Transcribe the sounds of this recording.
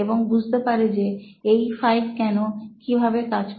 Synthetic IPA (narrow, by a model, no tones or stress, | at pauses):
eboŋbud͡ʑʱt̪epaɾed͡ʑeejfajkɛnokibʱabekad͡ʑk